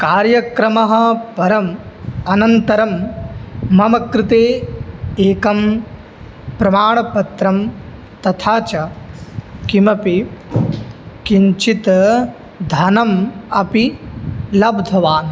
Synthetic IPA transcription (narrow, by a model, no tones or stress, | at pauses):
kaːɾjɐkɾɐmɐɦɐ̆pɐɾɐmɐnɐnt̪ɐɾɐmː | ɐmɐkɾɪt̪eː | eːkɐm | pɾɐmaːɳɐpɐt̪ɾɐm | t̪ɐt̪ʰaːt͡ʃɐ | kimɐpi | kiɲt͡ʃit̪ | d̪ʱɐnɐmɐpi | lɐbd̪ʱɐʋaːn